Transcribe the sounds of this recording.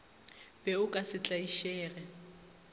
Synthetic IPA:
b̥ɛʊkʼasɪt͡ɬʼaiʃɛːrɛ

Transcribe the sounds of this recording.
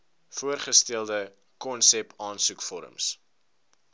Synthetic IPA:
fuərχəstɛlˠdə | kɔnsɛpɑːnsukfɔɾə̰ms

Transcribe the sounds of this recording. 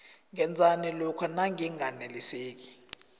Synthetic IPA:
ŋɛnd͡zʱanɛlɔkʰɔnaŋiŋaneliseːk̬i̥

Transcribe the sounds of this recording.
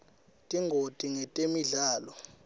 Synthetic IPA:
tʼiŋɡʱotʼiŋɛtʼemiɮaːlɔ

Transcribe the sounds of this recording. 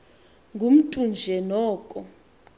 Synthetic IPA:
ŋɡʱum̩tʼund͡ʒʱɛnɔːkʼɔ

